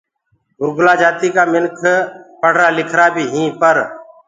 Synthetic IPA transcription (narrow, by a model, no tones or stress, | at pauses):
ɡʊɾɡʊlaːd͡ʒaːt̪iːkaːmɪnkʰpəɽ̤ɾaːlɪkʰɾaːbʱiːɦĩːpəɾ